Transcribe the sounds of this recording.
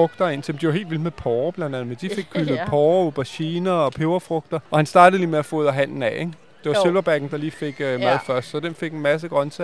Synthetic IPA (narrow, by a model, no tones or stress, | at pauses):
ɔ̽ɡ̥d̥ɐe̝n̰sʰemd̥ijoe̝̰ːld̥ʋil̰d̥mepʰɒːb̥lænd̥æn̩ˠd̥ife̝ɡ̥kʰyləð̩ˠpʰɒːob̥æɕiːnɐɒ̽pʰe̝ʊɐfʁɔ̽ɡ̥̚d̥ɐʔɒ̽hænsd̥ɑ̈ːɾ̥ð̩ˠliːmeæfɔ̽ːð̰ˠæɦæn̰n̩ɛeɡ̥ | d̥e̝ʋɑse̝lʋɐb̥æɡ̥n̩d̥ɑ̈liːfe̝ɡ̥mæð̩ˠfɶɐsd̥sɒ̽d̥enfe̝ɡ̥enmæs̬əɡ̥ʁɶnsæ